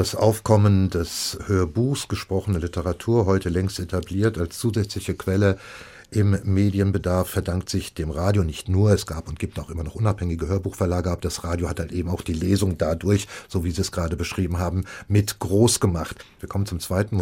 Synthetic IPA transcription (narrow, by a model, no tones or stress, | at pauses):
d̥asʔa̰ʊfkʰɔməndɛshøːɐbuːxsɡ̥əʃpʁ̥ɔχənəlɪtəʁatʰuːɐɦɔʏtəlɛŋstetʰabliːɐtalst͡suːzɛt͡slɪçəkv̥ɛlə | ʔɪmːeːdiənbədaɐfːɛɐdaŋktz̥ɪçd̥eːmʁaːdjonɪçtnuːɐɛsɡ̥aːpʊnt̚ɡ̥iːp̚taʊxʔɪmɐnɔχʔʊnaphɛŋɪɡəɦøːɐbuːxfɛɐlaːɡəap̚d̥asʁaːdjohathaltʔeːbm̩aʊxd̥iːleːzʊŋdadʊɐçz̥oːviːziːɛsɡ̥ʁaːdəbəʃʁ̥iːbm̩ɦaːbm̩mɪtɡ̥ʁoːsɡ̥əmaχtviːɐkʰɔmənt͡sʊmt͡sv̥aɪtn̩